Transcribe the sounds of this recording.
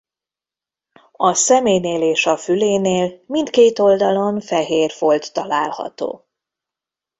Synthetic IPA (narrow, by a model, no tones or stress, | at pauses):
ɒsɛmeːjneːleːʃɒfyleːneːlmint̪keːt̪o̞ld̪ɒlo̞ɱfɛɦeːrfo̞lt̪ːɒlaːlhɒ̰t̪o̰ː